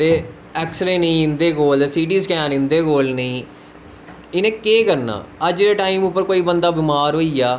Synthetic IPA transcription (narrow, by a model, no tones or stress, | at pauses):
eː | ɛːksɾẽːnəĩːɪ̃nd̪eːkoːlesiːʈiːskɛ̃ːnɪ̃nd̪eːkoːlnəĩː | ɪnẽːkeːkəɾna̰ːəd͡ʒɾeʈaːimʊpːəɾkoːiːbənd̪aːbɪmaːɾɦoːiːaː